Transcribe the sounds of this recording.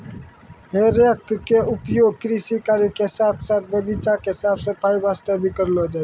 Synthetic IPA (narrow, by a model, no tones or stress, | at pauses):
ɦeːɾjəkːeʊpjoːɡ̚kɾisikaːɾikesaːt̪ʰsaːt̪̚ʰbʱəɡit͡ʃakeɦɪsaːbʰsəpaːiʋaːst̪ebʱikəɾlod͡ʒa